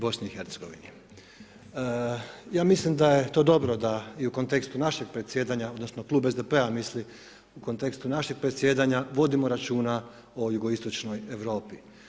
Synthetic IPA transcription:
bo̞sniixe̞ɾt̪seɡo̞̰ʋḭni | jaːmislimd̪aje̞t̪o̞ːd̪o̞bɾo̞d̪aiuko̞nt̪e̞kst̪unaʃe̞ɡ̚pɾet̪sje̞ːd̪aɲao̞d̪no̞snoklˠuːbezd̪epe̞amisli | uko̞nt̪e̞kst̪unaʃeɡ̥̚pɾet̪sje̞d̪aɲaʋo̞d̪imo̞ɾat͡ʃuːna | ojuɡoist̪o̞t͡ʃno̞je̞ʋɾo̞ːpi

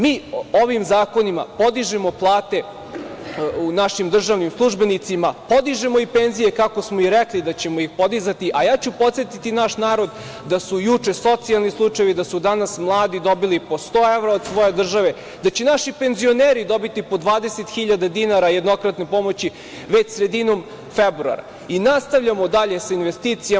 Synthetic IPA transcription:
miːo̞ʋimzaːko̞nima̰po̞d̪iʒemo̞plˠaːt̪e̞ | unaʃimd̪r̩ʒaʋnimslˠuʒbenit̪simapo̞d̪iʒemo̞ipenzije̞kakosmoiɾeklid̪at͡ɕemoixpo̞d̪izat̪iʔajaːt͡ɕupo̞t̪sjet̪it̪inaʃnaːɾo̞d̪ | d̪asujut͡ʂe̞so̞t̪sialˠnislˠut͡ʂajeʋid̪asud̪anasmlˠaːd̪id̪o̞bilipo̞st̪oːeʋɾaod̪sʋo̞je̞d̪r̩ʒaʋe | d̪at͡ɕenaʃipe̞nzio̞neːɾid̪o̞bit̪ipo̞d̪ʋaːd̪eset̪xiʎad̪ad̪inaɾajed̪no̞kɾat̪ne̞po̞mo̞t͡ɕi | ʋet͡ɕsɾe̞d̪inom | febɾua̰ɾa̰ | inast̪aʋʎamod̪aʎe̞sainʋest̪it̪sija

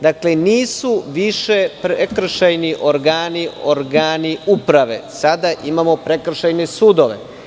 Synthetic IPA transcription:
d̪akle̞niːsuʋiʃepɾekr̩ʃajniʔoɾɡaːnioɾɡaːniupɾaʋe̞̰sad̪aʔimamo̞pɾekr̩ʃajnesuːd̪oʋḛ

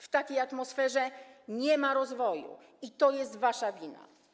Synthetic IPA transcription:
ft̪akʲejat̪mɔsfɛʐɛɲɛmaɾɔzvɔjṵ | it̪ɔjɛst̪vaʂavʲina̰

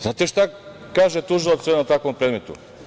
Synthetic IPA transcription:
znat̪iʃt̪a | kaːʒet̪uʒilˠot̪seot̪akvompɾed̪met̪ṵ

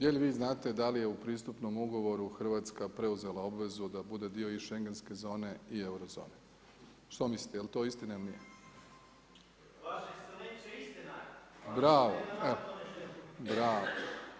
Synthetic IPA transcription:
jelʋiːznaːt̪e̞d̪alije̞upɾiːst̪upno̞muɡo̞ʋo̞ɾuxr̩ʋat̪skapɾe̞uze̞lˠao̞bʋe̞zud̪abud̪e̞d̪io̞iʃe̞ŋɡe̞nske̞zo̞ːne̞ie̞wɾozo̰ːne | ʃt̪omisli̥t̪ejelt̪o̞ist̪inailnije | bɾaːʋoeo | bɾaːʋo

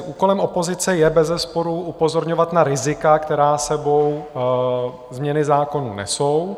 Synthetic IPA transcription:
ʔuːko̞lɛmʔopo̞zɪt͡sɛjɛbɛzɛspo̞ɾuupo̞zo̞ɾɲovat̪naɾɪzɪkakt̪ɛɾaːsɛbo̞w | zmɲɛnɪzaːko̞nṵnɛ̰so̞w

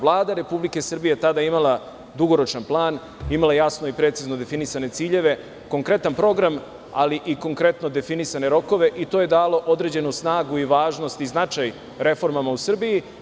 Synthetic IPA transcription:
lˠaːd̪aɾe̞publike̞sr̩bijet̪ad̪aimalˠa | d̪uɡo̞ɾo̞t͡ʃnanplˠaːn | imalajasno̞ipɾet̪sizno̞d̪e̞finisane̞t̪siːʎe̞ʋe̞ | ko̞ŋkɾe̞t̪anpɾo̞ɡɾam | a̰liʔiko̞ŋkɾe̞t̪no̞d̪e̞finisane̞ɾo̞ko̞ʋe̞ʔit̪o̞ːje̞d̪aːlo̞ʔo̞d̪ɾe̞d͡ʑe̞nusnaːɡuiʋaːʒno̞st̪iznat͡ʃaj | ɾe̞fo̞ɾmamausr̩biji

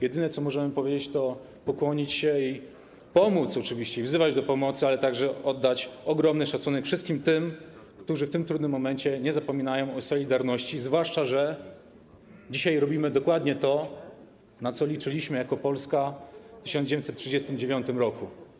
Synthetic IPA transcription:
jɛd̪ɘnɛt̪sɔmɔʐɛmɘpɔvjed͡ʑet͡ɕt̪ɔ | pɔkwɔɲit͡ɕɕɛi | pɔmut̪sɔt͡ʂɘvʲiɕt͡ɕɛivzɘvad͡ʑd̪ɔpɔmɔt̪sɨalɛt̪aɡʐɛɔd̪ːat͡ɕɔɡɾɔmnɘʂat̪sunɛkfʂɘst̪kʲimt̪ɘm | kt̪uʐɘft̪ɘmt̪ɾud̪nɘmːɔmɛnt͡ɕɛɲɛzapɔmʲinajɔ̃w̃ɔsɔlʲid̪aɾnɔɕt͡ɕizvwaʂt͡ʂaʐɛ | d͡ʑiɕajɾɔbʲimɘd̪ɔkwad̪ɲɛt̪ɔ | nat̪sɔlʲit͡ʂɘlʲiɕmɘjakɔpɔlskat̪ɘɕɔ̃nd͡ʑet̪sɛt̪tːʂɨd͡ʑɛst̪ɘmd͡ʑevʲjɔnt̪ɘmɾɔku

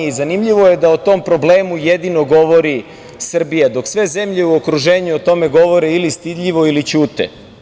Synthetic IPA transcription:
zanimʎiʋo̞je̞d̪aot̪o̞mpɾo̞ble̞ːmujed̪ino̞ɡo̞ʋo̞ɾi | sr̩bijad̪o̞ksʋe̞ze̞mʎe̞uokɾuʒe̞ːɲuot̪o̞me̞ɡo̞ʋo̞ɾeilist̪id̪ʎʲiʋo̞ilit͡ɕuːt̪ḛ

